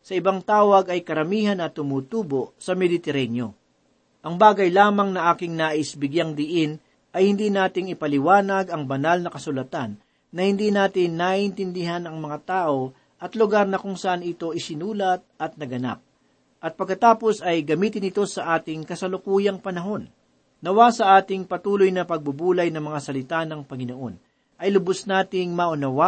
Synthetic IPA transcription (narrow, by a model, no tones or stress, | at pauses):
sɐʔɪbaŋt̪aːwɐɡɐjkɐɾɐmiːɦɐnɐt̪ːʊmuːt̪uːbo̞ʔsɐmɛd̪ɪt̪ɛɾɛnjo̞ | ʔɐŋbaːɡɐjlaːmɐŋnɐʔaːkɪŋnaːʔɪsbɪɡjaŋd̪ɪʔɪn | ʔɐjhɪnd̪iːnaːt̪ɪŋɪpɐlɪwaːnɐɡɐŋbɐnalnɐkɐsʊlɐt̪anː | ɐhɪnd̪inaːt̪ɪnːaʔɪnt̪ɪnd̪ɪɦanɐŋmɐŋat̪aːʔo̞ | ʔɐt̪lʊɡaɾnɐkʊŋsɐʔanɪt̪o̞ʔɪsɪnuːlɐt̪̚ʔɐt̪̚nɐɡɐna̰p̚ | ʔɐt̪̚pɐɡkːɐt̪aːpo̞sɐjɡɐmiːt̪ɪnɪt̪o̞sɐʔaːt̪ɪŋkɐsɐlʊkuːjɐŋpɐnɐɦo̞nː | ɐwasɐʔaːt̪ɪŋpɐt̪uːlo̞jnɐpɐɡ̚bʊbuːlɐjnɐŋmɐŋasɐlɪt̪anɐŋpɐŋɪno̞ʔo̞̰n | ʔɐjlʊbʊsnaːt̪ɪŋmɐʔʊnɐwa